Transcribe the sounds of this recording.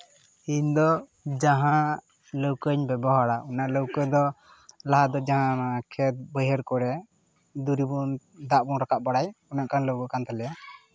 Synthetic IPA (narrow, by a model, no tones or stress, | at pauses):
iɲd̪ɔ | d͡ʒaɦã | ləwkəɲbɛbɔɦaɽaʔɔnaʔləwkəd̪ɔ | laɦad̪ɔd͡ʒaɦãakʰɛt̪̚bəjɦəɾkɔɾɛ | d̪uɾibun | d̪aʔbunɾakaʔ̚baɽajɔnaʔkanləwkəkant̪alɛa